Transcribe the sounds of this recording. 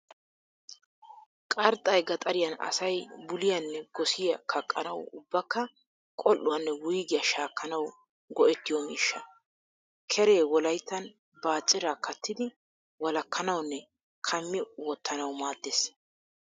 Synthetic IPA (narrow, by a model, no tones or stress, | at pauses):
kʼɐɾt̪ʼɐjɡɐt̪ʼɐɾɪjɐnɐ̰sɐjbʊlɪjɐnːɛɡ̥ɔsɪjɐkʰɐkʼːɐ̰nɐwʊbːɐkːɐ | kʼɔlʔːʊwɐnːɛwʊjɡɪjɐʃaːkːɐnɐw | ɡɔʔɛt̪ːɪjomiːʃːɐ | kʰɛɾeːwɔlɐjt̪ːɐn | baːt͡sʼːɪɾaːkʰɐt̪ːɪd̪ɪ | wɐlɐkʰːɐnɐwnːɛ | kʰɐmːɪwɔt̪ːɐnɐwmaːd̪ːeːs